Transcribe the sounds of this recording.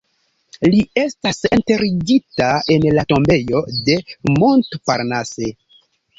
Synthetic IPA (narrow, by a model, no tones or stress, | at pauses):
lie̞stasente̞ɾid͡ʒitae̞nlato̞mbe̞jo̞de̞montpaɾnase